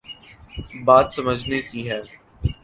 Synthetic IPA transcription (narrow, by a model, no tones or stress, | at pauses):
baːt̪sɐməd͡ʒʱnekiɦɛː